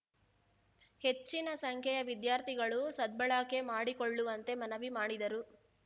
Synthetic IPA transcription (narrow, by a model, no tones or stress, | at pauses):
he̞t͡ʃːinɐsɐŋkʰɛjɐʋid̪jaːɾt̪ʰiɡɐɭusɐd̪̚bɐɭaːke̞maːɽikoɭːuʋɐnt̪e̞mɐnɐʋimaːɽid̪ɐɾu